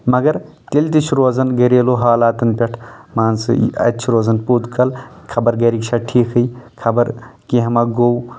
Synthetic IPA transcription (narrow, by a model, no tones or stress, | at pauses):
mɐɡɐɾ | k̪elt̪it͡ʃʰɾoːzɐnɡɐɾeːloɦaːlaːt̪ɐnpʲeʈʰmaːnsɨ̰ɐ̰tːʃʰiɾoːzɐnpud̪kɐlkʰɐbɐɾɡɐɾikt͡ʃʰaʈʰiːkʰɦɐjkʰɐbɐɾkiɦɐmɐɡow